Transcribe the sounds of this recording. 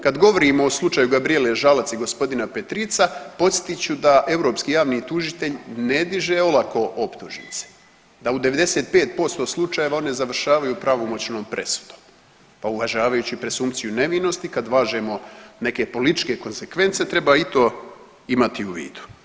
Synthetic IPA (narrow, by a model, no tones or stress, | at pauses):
kad̪ɡo̞ʋo̞ɾimoːslˠut͡ʃaːjuɡabɾijeleʒalat̪siɡo̞spo̞d̪inape̞t̪ɾit̪sapo̞t̪sjet̪it͡ɕud̪aʔe̞vɾo̞ːpskijaːʋnit̪uʒit̪e̞ʎne̞d̪iʒeo̞lˠako̞ʔopt̪uʒnḭt̪se̥ | d̪aud̪eʋe̞d̪e̞se̞ːt̪̚pe̞ːt̪̚po̞st̪o̞slˠut͡ʃaje̞ʋao̞ne̞zaʋr̩ʃaːʋajupɾaʋo̞mo̞t͡ɕno̞ːmpɾʔe̞su̥d̪̥o̞̥m | pauʋaʒaːʋajuːt͡ɕipɾe̞sumpt̪sijune̞ʋino̞st̪ikad̪ʋaːʒe̞mo̞ne̞ke̞po̞lit̪i̥t͡ʃke̞ko̞nse̞kʋe̞nt̪se̞t̪ɾe̞baːit̪o̞ː | imat̪iuʋḭːd̪̥u̥